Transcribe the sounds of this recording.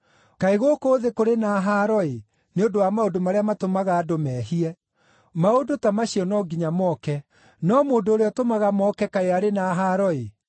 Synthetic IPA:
kaeɣokoːðekoɾenaːɦaɾɔe | neondowamaodomaɾeamatomaɣaːdomɛːɦiɛ | maodotamaɕiɔnɔɡiɲamɔːkɛ | nɔmoːndoːɾeɔtomaɣamɔkɛkaeaɾenaɦaɾɔe

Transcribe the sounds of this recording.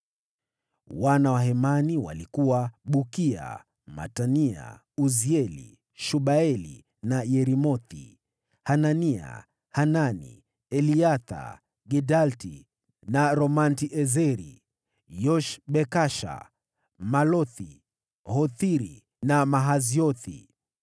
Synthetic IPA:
wanawaɦɛmaniwa̰likuwaɓukia̰ | ma̰tania̰ | uziɛlḭ | ʃuɓaɛlḭ | najɛɾimɔθi | hanania̰ | hananḭ | ɛliaθa̰ | ɡɛdalti | naɾɔmantiʔɛzɛɾḭ | jɔʃɓɛkaʃa̰ | malɔθi | hɔθiɾi | namaɦaziɔθḭ

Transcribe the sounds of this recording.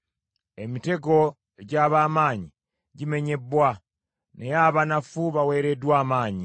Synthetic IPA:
e̞mite̞ɡo̞ | eɟaːβaːmaːɲi | ɟime̞ɲe̞bːwa | nejaβanafuβawe̞ːɾe̞dwaːmaːɲi

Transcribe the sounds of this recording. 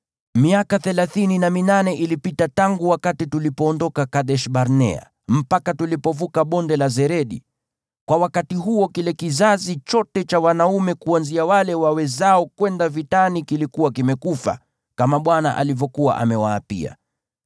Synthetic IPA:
miakaθɛlaθininaminanɛʔilipitataŋɡuwakatitulipɔːndɔkakaɗɛʃɓaɾnɛ̰a̰ | m̩pakatulipɔvukaɓɔndɛlazɛɾɛɗḭ | kwawakatiɦuɔkilɛkizazit͡ʃɔtɛt͡ʃawanaumɛkuanziawalɛwawɛzaɔkwɛndavitanikilikuwakimɛkufa̰ | kamaɓwana̰ʔa̰livɔkuwa̰ʔa̰mɛwaːpḭa̰

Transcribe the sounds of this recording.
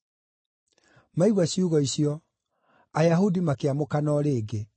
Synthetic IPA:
maiɣwaɕiuɣɔisiɔ | ajaɦudimakeamokanɔɾeːɡe

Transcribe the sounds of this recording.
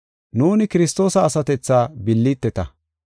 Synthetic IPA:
nuːnɪkɪɾɪst̪o̞ːsɐːsɐt̪ɛt͡sːaːbɪlːit̪ːɛt̪ɐ

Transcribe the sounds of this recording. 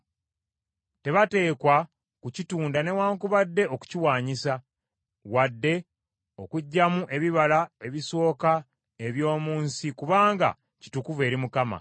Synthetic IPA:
te̞βate̞ːkwa | kucituːndane̞waːŋkuβadːe̞o̞ku̥ciwaːɲisa | wadːe̞ | o̞̰kuɟːamuʔe̞βiβalae̞βiso̞ːka | e̞βjo̞ːmuːnsikuβaːŋɡa̰ | ci̥tukuve̞ːɾimukama̰

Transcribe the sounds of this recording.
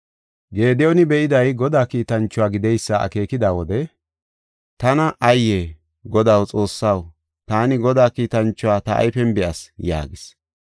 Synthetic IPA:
ɡe̞ːd̪ɪjɔnɪbɛʔɪd̪ɐjɡɔd̪aːkiːt̪ɐnt͡ʃːʊwaːɡɪd̪ɛjsːɐɐ̰ke̞ːkɪd̪aːwɔd̪ɛ | t̪ɐnɐʔɐjːeː | ɡɔd̪ɐwt͡sʼo̞ːsːɐw | t̪aːnɪɡɔd̪aːkiːt̪ɐnt͡ʃːʊwaːt̪ɐʔɐ̰jfɛmbɪɐsja̰ːɡɪs

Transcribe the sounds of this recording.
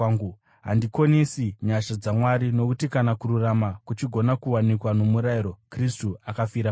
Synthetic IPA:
ɡu | ɦa̰ndikonesiɲaʃod͡zamwaɾino̞kutikanakuɾuramakut͡ʃiɡʱo̞nakuwanikwano̞muɾaiɾo̞kristuakafiɾam

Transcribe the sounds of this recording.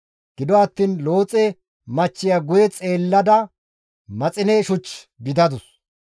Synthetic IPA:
ɡ̥ɪd̪ɔɐt̪ːiːnlo̞ːt͡sʼɛ | mɐt͡ʃːɪjɐɡʊjɛt͡sʼeːlːɐd̪ɐ | mɐt͡sʼɪneʃʊt͡ʃ | ɡɪd̪ɐd̪ʊs

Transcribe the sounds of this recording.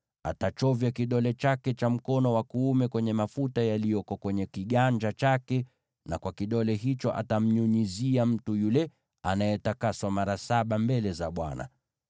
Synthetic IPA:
atat͡ʃɔvjakiɗɔlɛt͡ʃakɛt͡ʃam̩kɔnɔwakuːmɛkwɛɲɛmafutajalijɔkɔkwɛɲɛkiɠand͡ʒat͡ʃakɛ | nakwakiɗɔlɛɦit͡ʃɔʔa̰tam̩ɲuɲiziam̩tujulɛ | anajɛtakaswamaɾasaɓambɛlɛzaɓwa̰na̰

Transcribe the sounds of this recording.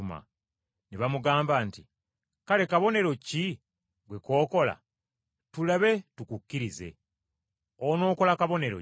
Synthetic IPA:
ma̰ | neβamuɡaːmbaːnti | kale̞kaβo̞ne̞ɾo̞ci | ɡwe̞ko̞ːko̞la̰ | tulaβe̞tukukːiɾize̞̰ | ono̞ːko̞lakaβo̞ne̞ɾo̰

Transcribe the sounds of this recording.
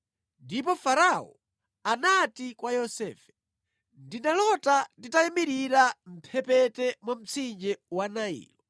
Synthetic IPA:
ndipɔfaɾaɔ̰ | anatikwajɔsɛ̰ːfɛ̥ | ndinalɔtatitajɛmiɾiɾam̩pʰɛpɛtɛmɔm̩t͡sʰind͡ʒɛwanaḭːlɔ

